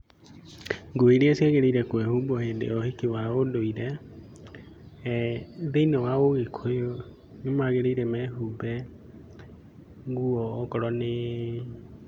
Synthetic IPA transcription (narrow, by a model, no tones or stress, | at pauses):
ŋɡoeɾeasiɛɣeɾeiɾɛkwɛhuːbɔhendḛɔhekewaodoiɾɛ | ðeinɛwaoɣekʰojo | nemaɣeɾeiɾɛmɛɦubɛ | ɡuɔːkɔɾɔne